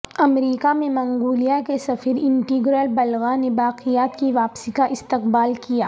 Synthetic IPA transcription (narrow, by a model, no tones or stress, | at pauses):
ɐmɾiːkamẽmɐ̃ŋɡuːlijakesɐfəɾɪ̃ɳʈiːɡɾəlbɐlɣanebaːqijaːt̪kiʋaːpsikaʔɪst̪ɪqbaːlkijaː